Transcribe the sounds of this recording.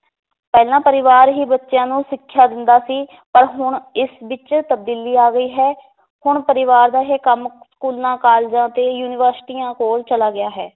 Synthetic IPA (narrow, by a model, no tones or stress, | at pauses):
pɛːlãːpəɾɪʋaːɾɦiːbətːʃjãːnũːsɪkʰːjaːd̪ɪnd̪aːsiː | pəɾɦʊɳɪsʋɪt͡ʃt̪əb̚d̪iːliːaːɡəiːɦɛː | hʊɳpəɾɪʋaːɾd̪aːɦeːkəm | skuːlãːkaːld͡ʒãːt̪eːjuːnɪʋəɾsɪ̥ʈiːãːkoːlt͡ʃəlaːɡɪaːɦɛː